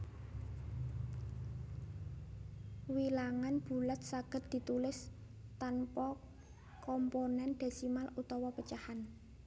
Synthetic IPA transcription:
wilaŋanb̥ṳlət̪̚saɡ̥ə̤t̪̚d̪̥i̤t̪ulɪs | t̪anpɔ | kɔmponɛnd̪̥a̤simalut̪ɔwɔpət͡ʃahan

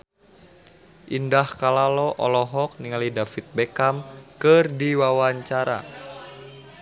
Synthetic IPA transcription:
ʔindahkalalɔʔɔlɔɦɔk̚niŋalidafit̪̚bekamkɨrdiwawaɲt͡ʃaɾa̰

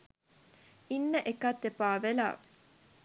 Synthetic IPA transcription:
inːəʔekat̪ːepaːʋela̰ː

